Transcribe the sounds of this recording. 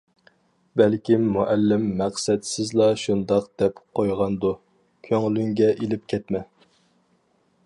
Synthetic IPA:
bælkʲimːuʔælːɪmːæqsɛd̪sɪzlˠɑʃund̪ɑqd̪̥ɛpqʰojʁɑnd̪u | kʲʰøŋlyŋɡʲɛʔelɪp̚kʲʰɛt̪mɛ

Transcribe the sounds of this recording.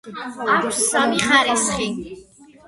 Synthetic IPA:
akʷʰsamiχaɾisχi

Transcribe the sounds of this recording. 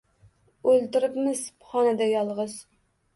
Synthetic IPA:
ølt̪ɪɾɪpmɪzpχɑnɨd̪ɛjɑlˠʁəz

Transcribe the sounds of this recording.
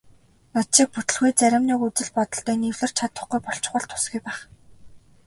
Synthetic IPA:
nɔt̪ʃiːk̚put̪ɵ̆ɮxujt͡sæɾʲɪ̆mniːkut͡sɘ̆ɮpɔt̪ɞ̆ɬt̪œːniwɮɘ̆r̥t͡ɕʰat̪ə̆χɡujpɔɬt͡ɕ̆χə̆ɬt̪ʰːʊ̥sɡʲujpæːχ

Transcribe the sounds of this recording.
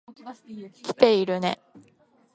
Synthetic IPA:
kʲi̥t̪e̞iɾɯ̟ne̞̰

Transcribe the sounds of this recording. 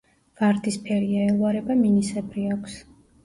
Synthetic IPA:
v̥aɾd̪ispʰɛɾiaɛlˠvaɾɛbaminisɛbɾiakʷʰs

